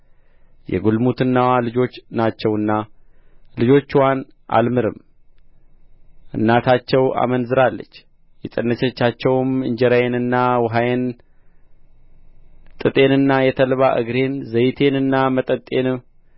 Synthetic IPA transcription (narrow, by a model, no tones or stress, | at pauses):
jɛ̰ɡulmut̪ʰɨnːawalɨd͡ʒo̞t͡ʃːnat͡ʃːɛwɨnːa | lɨd͡ʒo̞t͡ʃːwan | ʔa̰lmɨɾɨm | ʔɨ̰nːat̪ʰat͡ʃːɛwa̰mənzɨɾalːə̰t͡ʃː | jɛt͡sʼənːət͡ʃɛt͡ʃːat͡ʃːɛwmɨɲd͡ʒɛɾajenɨnːawɦajen | t̪ʼɨt̪ʼe̞nɨnːajɛt̪ʰəlβaʔɨ̰ɡɾe̞nzəjt̪ʰe̞nɨnːamət̪ʼət̪ʼːe̞n